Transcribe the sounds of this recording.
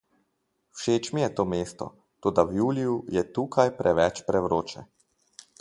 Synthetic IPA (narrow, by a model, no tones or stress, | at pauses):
wʃeːt͡ʃmijɛt̪oːmeːst̪ɔ̰ | t̪oːd̪awjuːlijujɛt̪uːkajpɾʔɛʋɛt͡ʃpɾɛʋɾoːt͡ʃɛ